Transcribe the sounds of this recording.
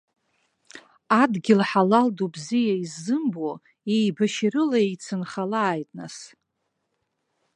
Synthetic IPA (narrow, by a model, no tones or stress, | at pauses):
adɡʲɪlħalaldobzijaizːɨmbo | ejbaʃɪɾɨlaejt͡sʰɨnχalaːjtʼnas